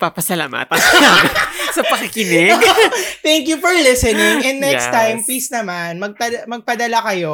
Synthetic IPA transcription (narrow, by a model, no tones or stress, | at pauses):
papɐsɐla̰ːma̰t̪ɐnasɐpɐkɪkɪnɛ | t̪ɛŋkjufɔɹlɪsɛnɪŋʔɛ̃nd̪ːɛkstt̪ajmpliːsnɐmanmɐɡ̚pɐmɐɡ̚pɐd̪ɐlakɐjo̞